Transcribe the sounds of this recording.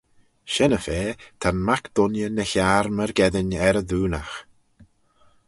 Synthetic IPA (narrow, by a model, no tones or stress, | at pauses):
ʃɛnəfeːt̪ʰanmakd̪̥ʊnjənəçaɾməɾɡɛðɪnɛɾəðuːnax